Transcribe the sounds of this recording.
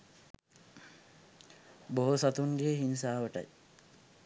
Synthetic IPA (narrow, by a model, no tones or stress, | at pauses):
boɦosat̪uŋɡeːɦins̬aːʋəʈa̰j